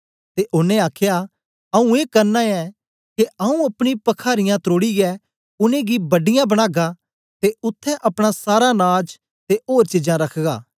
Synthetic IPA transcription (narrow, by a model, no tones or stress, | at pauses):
t̪eʔʊnẽaːkʰja | ɐũeːkɐɾnaɛ | keɐũɐpɽ̃ipɐkʰaːɾɪjãt̪ɾoːɽiɡɛ | ʊnẽɡibɐɖɪjãbɐɽ̃aːɡa | t̪eʊt̪ʰːɛʔɐpɽ̃asaːɾanaːd͡ʒ | t̪eoːɾt͡ʃɪd͡ʒãɾɐkʰɡaː